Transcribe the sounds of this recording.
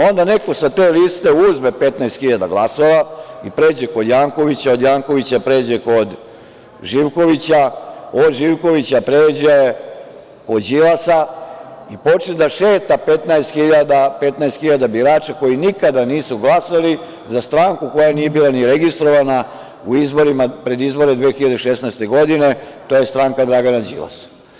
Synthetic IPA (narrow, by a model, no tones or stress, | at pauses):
o̞nd̪ane̞ko̞sat̪e̞ːlist̪e̞uzmepe̞t̪naest̪xiʎad̪a̰ɡlˠaso̞ʋaipɾe̞ːd͡ʑeko̞d̪jaːŋko̞ʋit͡ɕao̞d̪jaːŋko̞ʋit͡ɕapɾe̞ːd͡ʑeko̞d̪ | ʒiʋko̞ʋit͡ɕao̞d̪ʒiʋko̞ʋit͡ɕapɾeːd͡ʑaje | ko̞d͡ʑilasa | ipo̞t͡ʃed̪aʃe̞ːt̪ape̞t̪naest̪xiʎad̪ape̞t̪naest̪xiʎad̪abiɾaːt͡ʃako̞jinikad̪aniːsuɡlˠasali | zast̪ɾaːŋkuko̞janije̞biːlˠaniɾe̞ɡist̪ɾo̞ʋana | uizbo̞ɾimapɾe̞d̪izbo̞ɾed̪ʋeːxiʎad̪eʃesnajst̪e̞ɡo̞d̪ine̞t̪o̞je̞st̪ɾaːŋkad̪ɾaːɡanad͡ʑḭla̰s